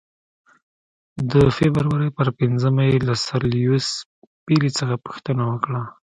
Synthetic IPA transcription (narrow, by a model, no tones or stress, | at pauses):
d̪əfebəɾwaɾəjpəɾpɪnzəmajelasaɾlijus | pilit͡səxapu̥xt̪ənawəkɽa